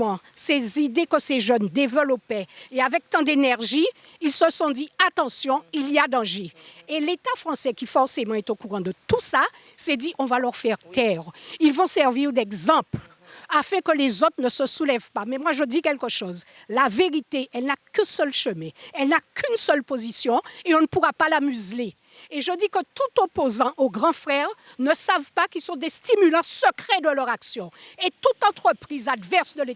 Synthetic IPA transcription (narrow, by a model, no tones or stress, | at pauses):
ɑ̃sezid̪ekəseʒœnd̪evəlɔpɛeavɛk̚t̪ɑ̃d̪enɛʁʒiː | lsəsɔ̃d̪iat̪ɑ̃sjɔ̃iliad̪ɑ̃ʒeelet̪afʁɑ̃sɛkʲifɔʁsemɑ̃ɛt̪okuʁɑ̃d̪ət̪usa | sɛd̪iʔɔ̃valœʁfɛʁt̪ɛːʁilvɔ̃sɛʁviʁd̪ɛɡzɑ̃pl | afɛ̃kəlezot̪ʁnəsəsulɛvpamɛmwaʒəd̪ikɛlkəʃoz | laveʁit̪eʔɛlnakɛ̃sœlʃəmɛ̃ɛlnakʰynsœlpozisjɔ̃eɔ̃nəpuʁapalamyzle | eʒəd̪ikət̪ut̪opozɑ̃ʔoɡʁɑ̃fχɛʁnəsavpakilsɔ̃d̪est̪imylɑ̃səkχɛd̪əlœʁaksjɔ̃et̪ut̪ɑ̃t̪χəpχizad̪vɛʁsd̪əl